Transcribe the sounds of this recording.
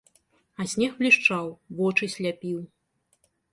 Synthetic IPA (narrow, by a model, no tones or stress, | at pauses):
ɐsʲnʲɛxblʲiʂt͡ʂawvɔt͡ʂɨsʲlʲapʲiw